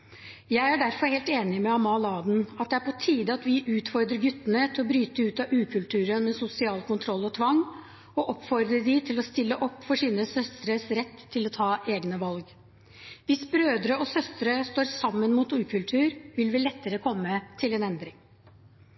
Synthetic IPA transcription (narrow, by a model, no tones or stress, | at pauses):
jæɪæɖæɾfɔɾheːlt̪eːnɪmɛɑmɑlɑːd̪nɑt̪̚d̪ɛæɾpʰɔt̪ʰiːd̪əɑt̪ʋɪʔʉːt̪fɔɾd̪ɾəɾɡʉt̪ːənət̪ʰɪlɔbɾyːt̪əʉːt̪ɑʔʉːkʰʉlt̪ʰʉːɾənmɛsʊsɪɑːlkʰʊnt̪ʰɾɔlːɔt̪ʰʋɑŋː | ɔʔɔpːfɔɾd̪ɾəɖɪt̪ʰɪlɔst̪ɪlːəʔɔpːfɔʂiːnəsœst̪ɾəsɾɛt̪ʰːɪlɔt̪ʰɑːʔeːɡnəʋɑlɡ | ʋɪsbɾøːd̪ɾəɔsœst̪ɾəst̪oːɾsɑmːənmuːt̪ʉːkʰʉlt̪ʰʉːɾʋɪlʋɪlɛt̪ːəɾəkʰɔmːət̪ʰɪlɛnɛnd̪ɾɪŋ